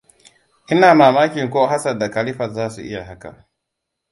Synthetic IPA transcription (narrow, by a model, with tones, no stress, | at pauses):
i˦na˦˨ma˨ma˦ki˨ŋ̩˨kɔ˦ɦa˦sa˨da˨ka˨li˦fa˨za˦sḭ˨ʔḭ˦ja˨ɦa˦ka̰˨